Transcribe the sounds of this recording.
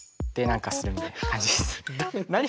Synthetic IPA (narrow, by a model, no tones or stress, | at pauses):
t̪ːenãŋkasɨɾɯ̟mʲit̪ajnaakãɲ̟d͡ʑid̪esnaɲ̟i